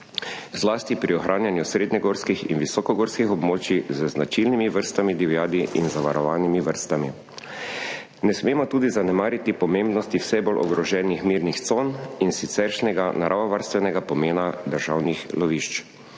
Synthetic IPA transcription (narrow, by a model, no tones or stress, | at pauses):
zlaːst̪ipɾiɔxɾʔaːnjanjusɾeːd̪ɲɛɡoːɾskixḭnʋisɔkɔɡoːɾskixɔbmoːt͡ʃizəznat͡ʃilnimiʋəɾst̪amid̪iʋjaːd̪iʔḭnzaʋaɾɔʋaːnimiʋəɾst̪ami | nɛsmeːmɔt̪uːd̪izanɛmaːɾit̪ipɔmembnɔst̪iwsɛbolʔɔ̰ɡɾɔʒɛnixmiːɾnixt̪soːninsit̪sɛɾʃnɛɡanaɾʔaʋaʋaɾst̪ʋɛnɛɡapɔmeːnad̪əɾʒawnixlɔʋiʃt͡ʃ